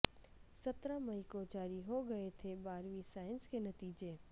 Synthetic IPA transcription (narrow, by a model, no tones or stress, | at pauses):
sɐt̪ɾamɐikod͡ʒaːɾiɦoɡɐet̪ʰebaːɾʋisaːɪnskenɐt̪iːd͡ʒeː